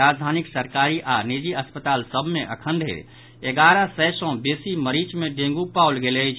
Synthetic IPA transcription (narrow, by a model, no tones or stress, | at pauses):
ad͡ʒd̪ʱaːniksəɾkaɾiʔanid͡ʒiəspət̪alsəbʱmeʔəkʰə̃nd̪ʱḛ | eɡaɾəsɛsɔ̃besiməɾit͡ʃmeɖẽŋɡupawlɡelət͡ʃʰ